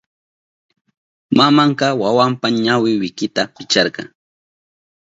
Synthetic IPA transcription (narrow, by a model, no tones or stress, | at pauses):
mamɑɴqɑwawampaɲawɪwɪkɪt̪apɪt͡ʃɑɾqɑ̰ŋ